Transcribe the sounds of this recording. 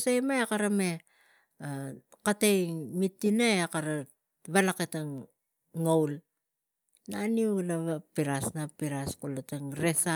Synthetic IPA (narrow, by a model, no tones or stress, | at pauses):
sajmaekaɾame̞ | akatejmitːinaeakaɾa | βalaketaŋ | ŋowl | naniulaβapiɾasnapiɾaskolataŋɾesa